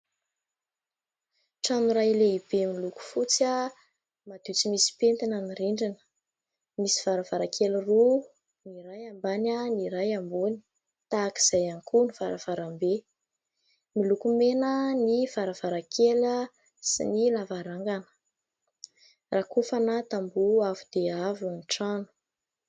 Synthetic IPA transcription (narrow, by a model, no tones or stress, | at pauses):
ʈ͡ʂanuɾajleib̥emiluku̥fut͡sə | mad̪̥ut͡simisi̥pent̪inaniriɳɖ͡ʐanə̥ | misi̥v̥aɾəv̥aɾakʰeliru | niɾajambanəniɾajambuni̥ | t̪aki̥z̥ajankunivaɾav̥aɾambe | milukumenəniv̥aɾavaɾakʰelə | sḭnilavaɾaŋɡanə̥ | rakufanat̪ambuavud̪̥eavuniʈ͡ʂanu̥